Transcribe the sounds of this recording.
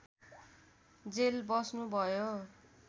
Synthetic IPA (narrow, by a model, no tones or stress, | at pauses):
d͡zelbʌsnubʱʌjo